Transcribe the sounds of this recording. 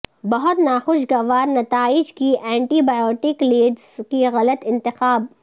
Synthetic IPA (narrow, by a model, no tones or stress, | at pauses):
bɐɦʊt̪naːxʊʃɡɐʋaːɾnɐt̪aːɪd͡ʒkiʔɛ̃ːɳʈiːbaːjɔːʈɪkleːɖzkiɣɐlət̪ɪ̃nt̪ɪxaːb̚